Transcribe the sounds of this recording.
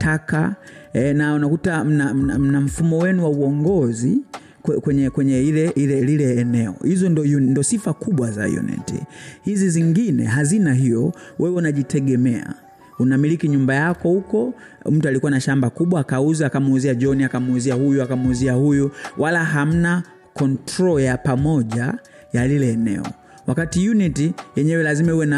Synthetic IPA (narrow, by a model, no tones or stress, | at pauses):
tʰaka̰ɛnaunakutam̩nam̩nam̩nam̩fumɔwɛnuwauɔŋɡɔzi | kɛkwɛɲɛkwɛɲɛilɛilɛlilɛːnɛɔ̰hizɔndɔjundɔsifakuɓwaza̰jṵnɛ̰tḭhiziziŋɡinɛ̰ɦazinaɦijɔ̰wʔɛwɛunaʄitʰɛɠɛmɛa̰ | unamilikiɲumbajakɔhukɔ | m̩tualikuwanaʃambakuɓwaːkauzaakamuuziaʄɔniakamuuziahujuakamuuziahujuwʔalaɦam̩na | kɔntɾɔjapamɔʄa | jalilɛːnɛ̰ɔ̰ | wakatijunitijɛɲɛwɛlazimaiwɛna